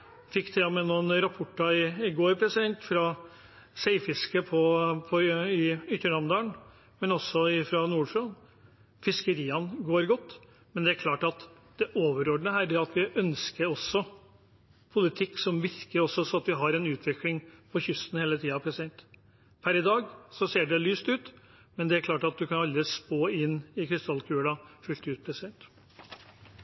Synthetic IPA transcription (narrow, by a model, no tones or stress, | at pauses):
fɪkːt̪ʰɛːɔmɛnuːnəɾɑpʰʊʈːɑɪɪɡoːɾpʰɾɛsɪd̪ɛnt̪fɾɑ | seɪfɪskəpʰɔpʰɔɪʏt̪ːəɳɑmd̪ɑːɳ | mɛnɔsːɔɪfɾɑnuːɖfɾon | fɪskəɾiːɑnɡoːɾɡɔt̪ː | mɛnd̪ɛæɾkʰlɑːʈɑt̪ | d̪̥ɛʔoːʋəɾɔɖnəhæːɾɖɛɑt̪ʋɪʔœnskəɾɔsːɔ | pʰʊlɪt̪ʰɪkːsɔmʋɪɾkəɾɔsːɔsɔɑt̪ʋɪɦɑɾɛnʉːt̪ʰʋɪklɪŋpʰɔçʏst̪n̩heːlət̪ʰiːɑpʰɾɛsɪd̪ɛnt̪ | pʰæɾɪd̪ɑːɡsɔseːɖɛlyːst̪ʉːt̪ | mɛnd̪ɛæɾkʰlɑːʈɑt̪̚d̪ʉkʰɑnɑld̪ɾɪspoːɪnːɪkʰɾɪst̪ʰɑlːkʰʉːlɑfʉlt̪ʉːt̪̚pʰɾɛsɪd̪ɛnt̪